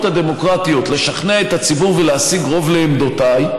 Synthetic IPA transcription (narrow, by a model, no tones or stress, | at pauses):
t̪had̪e̞mo̞kʁat̪ijo̞t̪le̞ʃaχneaet̪at͡sibuʁveleasiɡʁo̞vle̞ːmd̪o̞taj